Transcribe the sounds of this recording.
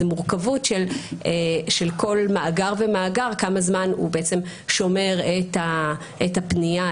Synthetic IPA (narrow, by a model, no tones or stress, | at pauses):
muʁkavutʃeleʃelkʰo̞lmaːɡaʁvemaːɡaʁkamazmanṵbeet͡semʃo̞me̞ʁeta | ʔetapnia